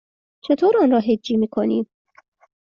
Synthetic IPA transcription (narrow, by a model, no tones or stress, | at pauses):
t͡ʃʰe̞t̪ʰoːɾɔnɾɒːɦed͡ʒːiːmiːkʰoniːm